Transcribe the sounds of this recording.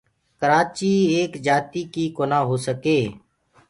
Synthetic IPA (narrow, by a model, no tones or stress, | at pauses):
kəɾaːt͡ʃiːeːkd͡ʒaːt̪iːkiːkoːnãːɦoːsəkeː